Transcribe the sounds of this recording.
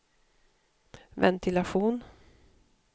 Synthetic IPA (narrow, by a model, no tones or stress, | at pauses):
vɛ̰nt̪ʰɪlaɧuːn